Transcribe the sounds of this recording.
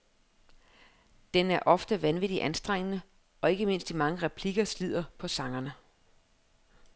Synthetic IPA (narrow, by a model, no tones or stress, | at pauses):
d̥enæɐʔɒ̽fd̥əʋænʋid̥iʔænsd̥ʁaŋ̰ənə | ɒ̽e̝ɡ̥əme̝n̰sd̥imɑ̈ŋəʁɛpʰliɡ̥ɐslið̞̰ˠɐpʰɒ̽sɑ̈ŋɐnə